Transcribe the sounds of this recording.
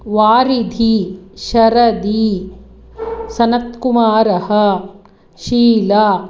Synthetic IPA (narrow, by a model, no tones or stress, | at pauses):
ʋaːɾid̪ʱiʃɐɾɐd̪i | sɐnɐt̪kumaːɾɐɦɐ̆ | ʃiːlaː